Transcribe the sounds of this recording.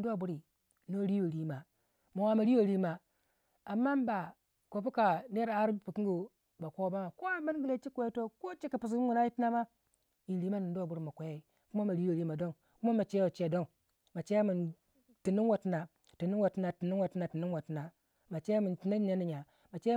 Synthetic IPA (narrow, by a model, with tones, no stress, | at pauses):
du˦a˨bu˦ɾi˨ | no˦ɾi˦wo˨ɾi˦ma˨ | ma˨wa˦ma˨ɾi˦wo˨ɾi˦ma˨ | a˨mːa˦nba˨ | kʷo˨pu˦ka˨ne˦ɾa˦ɾi˦pu˨ki˦ŋɡu˨ | ba˨ko˦ba˦ma˨ko˦a˨ma˦nɡi˨le˦t͡ʃi˦kʷe˦ja˦to˦ko˦t͡ʃi˦ki˨pu˨s̬i˦ɡu˨na˦ji˦ti˦na˦ma˦ | i˨nɾi˨˦ma˦nu˨˦da˨bu˦ɾi˨ma˨kʷa˨ja˦i˨ | ku˦ma˦ma˨ɾi˦o˨ɾi˦ma˨do˦n | ku˦ma˦ma˨t͡ʃe˦o˨t͡ʃe˨do˦n | ma˨t͡ʃe˦a˦mu˨n | ti˨ni˦n˦wo˨ti˦na˨ | ti˨nu˦nwa˨ti˦na˨ti˨nu˦nwa˨ti˦na˨ti˨ni˦n˦wa˨ti˨na˨ | ma˨t͡ʃe˦ja˦mi˨nti˨na˦a˦ni˨ɲa˨ | ma˨t͡ʃe˦